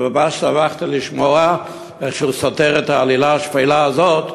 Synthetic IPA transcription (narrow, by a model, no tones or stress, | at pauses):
babaʃsavaχt̪ilɪʃmɔa | ɛχʃuːsɔtɛʁɛthaːlilaʃfɛjlaːzot